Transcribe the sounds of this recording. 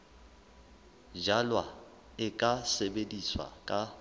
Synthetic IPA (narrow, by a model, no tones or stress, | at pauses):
d͡ʒalwa | ɪkʼasebediswa̰kʼa